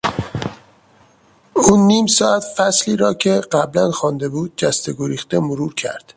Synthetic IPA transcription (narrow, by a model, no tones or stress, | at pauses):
uːnːiːmsɒːæt̪fæsliːɾɒːcʰe̞ɢæblænxɒːnd̪e̞buːd̪̚d͡ʒæst̪eɡoɾiːxt̪e̞moɾuːɾcʰæ̰ɾd̪̥